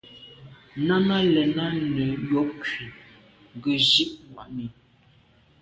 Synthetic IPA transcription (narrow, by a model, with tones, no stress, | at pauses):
na˦na˦lɛ˨na˦nə˨jɔ˦p̚ki˨ | ŋ˨ɡə˨ʒi˦ʔŋwa̰˨ʔmi˨